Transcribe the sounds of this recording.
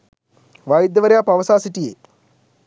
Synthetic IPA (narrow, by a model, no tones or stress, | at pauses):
ʋajid̪jɐʋɐɾjaːpɐʋɐsaːsiʈijeː